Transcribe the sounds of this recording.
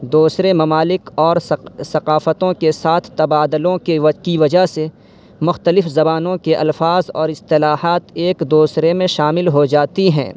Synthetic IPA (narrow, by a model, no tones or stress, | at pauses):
d̪uːsɾemɐmaːlɪkɔːɾsɐqaːfət̪õkesaːt̪ʰt̪ɐbaːd̪əlõkekiʋɐd͡ʒaɦse | mʊxt̪əlɪfzɐbaːnõkeʔɐ̰lfaːzɔ̰ːɾɪst̪ɪlaːɦaːt̪eːkd̪oːsɾemẽʃaːmɪlɦod͡ʒaːt̪iɦɛ̰̃ː